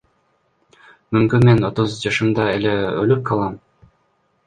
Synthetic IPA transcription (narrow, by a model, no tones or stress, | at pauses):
mymkynmeno̞t̪uzd͡ʒɑʃɯmd̪ɑeleølyp̚qʰɑlˠɑm